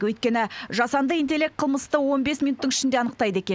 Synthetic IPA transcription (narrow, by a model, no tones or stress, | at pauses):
wɵjt̪̚kʲe̞nɪʒɑsɑnd̪əijnt̪e̞lʲːek̚qʰəlˠməst̪əwo̞nbe̞smʲijnut̪ːəɴɪʃɪnd̪e̞ɑnəq̚t̪ɑjd̪əe̞kʲe